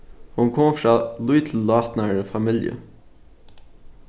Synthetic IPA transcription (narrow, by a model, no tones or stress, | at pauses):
hʊnkʰɔmfɾɑːluːt̪ʰl̩lɑːt̪nəɹəfɑmɪljə̰